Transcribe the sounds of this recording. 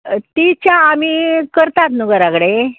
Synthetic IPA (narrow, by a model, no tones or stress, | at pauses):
t̪it͡ɕjaːmikəɾt̪at̪nuɡəɾakɽe